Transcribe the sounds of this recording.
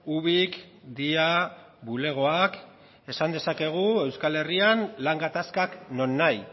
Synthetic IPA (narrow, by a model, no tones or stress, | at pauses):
uβik | d̪ia | βule̞ɣ̞o̞ak | e̞sand̪e̞sake̞ɣ̞ue̞wskale̞rianlaŋɡat̪askakno̞nːaj